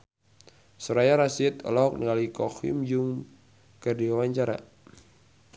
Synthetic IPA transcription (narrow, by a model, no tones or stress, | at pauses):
sɔɾajaɾasiɛt̪ɔ̰lɔɦɔk̚niŋalikɔhḭmd͡ʒuŋ | kərdiwawaɲt͡ʃaɾa̰